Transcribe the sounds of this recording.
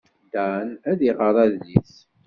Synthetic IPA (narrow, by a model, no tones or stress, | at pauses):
d̪ænæðiʁəɾˤɑðlːiθ